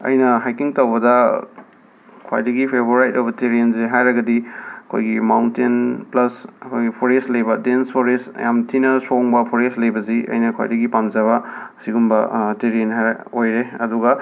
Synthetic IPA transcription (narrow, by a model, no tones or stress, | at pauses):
ɐ̰jnɐɦajkiŋtɐwbɐdɐ | kʰwa̰jdɐɡipʰebuɾajtowbɐtiɾenzeɦajɾɐɡɐdiɐkʰo̰jɡimawntenplɐsɐkʰojɡipʰoɾeslɐjbɐdenspʰoɾesja̰mtʰinɐsoŋbɐpʰoɾeslejbɐziʔɐ̰jnɐkʰwa̰jdɐɡipamzɐβɐsiɡumbɐtiɾenɦajojɾeɐduɡɐ